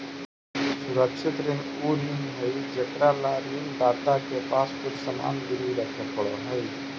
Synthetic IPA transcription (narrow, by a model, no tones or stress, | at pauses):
suɾəkʃʰit̪ɾin | uɾinɦəjd͡ʒekɾalaɾind̪at̪akepaspuɾsəma̰nb̪iɾiɾəkʰnepəɭɔɦəj